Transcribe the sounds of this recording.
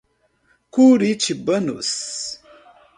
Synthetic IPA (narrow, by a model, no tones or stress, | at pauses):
kuɾit͡ʃibənṵs